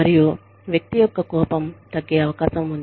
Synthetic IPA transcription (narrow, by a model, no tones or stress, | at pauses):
ɐɾiju | ʋjɐk̚t̪ijɔkːɐkɔːpɐmt̪ɐɡːeːɐʋɐkaːʃɐmund̪